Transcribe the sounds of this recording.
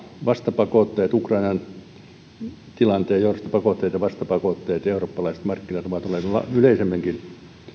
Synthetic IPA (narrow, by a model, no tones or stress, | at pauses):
ʋɑst̪ɑpɑkoˑt̪ːeːt̪ukrɑinɑn | t̪ilɑnt̪eˑːjourost̪ɑ̥pɑkoˑt̪ːeːt̪jɑʋɑst̪ɑpɑkoˑt̪ːeːt̪europːɑlɑise̥t̪mɑrkːinɑt̪oʋɑt̪olːˑeːˑt̪lɑ̰yleisemːæŋkin